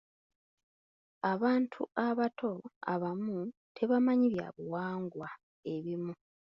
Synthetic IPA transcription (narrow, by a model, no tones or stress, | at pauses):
aβaːntʰuaβatʰo̞a̰βamutʰe̞βamaɲiβja̰βuwaːŋɡwa | e̞βimu